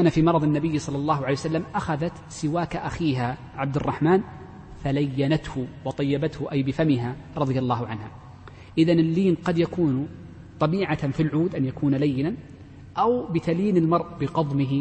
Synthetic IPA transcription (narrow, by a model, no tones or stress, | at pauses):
kaːnafiːmɑɾˤɑðˤɪnːabɪjːsˤɑlːɑlˤːɑːɦʊʕalejwsalːamʔaxaðat̪sɪwaːkaʔaxiːɦa | ʕab̚d̪ɪrˤːɑħmaːn | falajːanat̪hʊwɑt̪ˤɑjːabat̪hʊʔajbɪfamɪɦaɾˤɑðˤɨjalˤːɑːhʊʕanha | ʔɪðanɪlːiːnqɑd̪jakuːn | t̪ˤɑbiːʕafilʕuːd̪ʔanjakʰuːnalajːɪnan | ʔawbɪt̪aliːnɪlmɑɾˤʔbɪqɑðˤmɪɦ